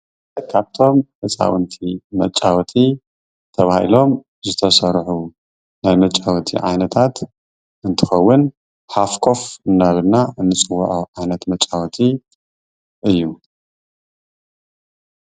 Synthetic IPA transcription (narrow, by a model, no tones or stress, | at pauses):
kʰaβt̪ʰo̞mʔɨt͡sʼa̰wɨnt̪ʰimɐt͡ʃʼːawt̪ʰi | t̪ʰɐβahḭlo̞m | zɨt̪ʰɐsɐɾħu | najmɐt͡ʃʼːawt̪ʰḭʕa̰jnɐt̪ʰat̪ | ʔɨnt̪ʰɨxɐwːʊn | ħafkʰo̞fɨnːaβɨɾnaʔɨnːɨt͡sʼɨwːʊ̰ʕoʕajnɐt̪mɐt͡ʃʼːawt̪ʰi | ʔɨjːu